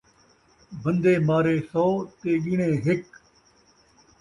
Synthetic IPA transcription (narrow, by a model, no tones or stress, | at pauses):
bə̃nd̪eːmaːɾeːsɔːt̪eːɠɪːɳẽːɦɪk